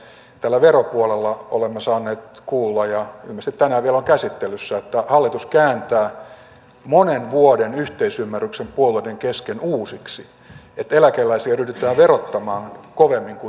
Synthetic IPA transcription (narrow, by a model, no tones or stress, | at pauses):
t̪ælːæʋeropuolelːɑolemːɑsɑːnːeːt̪kuːlːɑjjɑy̰lmːæst̪it̪t̪ænæʋiæloŋkæsit̪ːelysːæet̪ːæhɑlːit̪uskæːnt̪æː | monenʋuodenyht̪eisymːæryksempuolueideŋkeskenuːsiksi | et̪elækelːæisiɑryhdyt̪ˑæːʋerot̪ːɑmɑːŋkoʋemːiŋku